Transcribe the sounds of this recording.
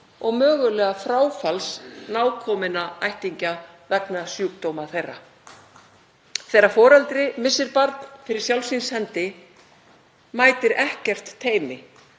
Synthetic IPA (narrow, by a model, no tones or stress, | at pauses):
ɔɣmœːɣʏlɛːɣafɾaːwfalsnaːwkʰɔmɪnaajht̪iɲca | vɛknasjuːk̚t̪owmaθejrːa | θejrːafɔːɾalt̪ɾɪmɪsɪɾpaɾt̪nfɪɾɪɾ̥sjawlsinshɛnt̪ɪ | maːjt̪ɪɾɛhcɛr̥t̪ʰːeːjmɪ